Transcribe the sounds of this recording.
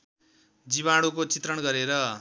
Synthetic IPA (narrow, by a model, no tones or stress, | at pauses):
d͡ziβaɽukot͡sit̪rʌɽɡʌɾeɾʌ